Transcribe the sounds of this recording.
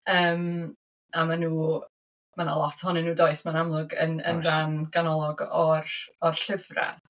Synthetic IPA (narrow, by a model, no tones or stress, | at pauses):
əːm | amanuː | manalˠɔtʰhɔnɪnuːdoɨsmanamlˠʊɡə̰nə̰nðanɡ̥anɔlˠɔɡɔrɔrɬɪvra̰